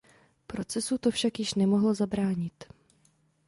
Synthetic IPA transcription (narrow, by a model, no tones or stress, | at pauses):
pɾo̞t͡sɛsut̪o̞fʃakjɪʃnɛmo̞ɦlozabɾaːɲɪt̪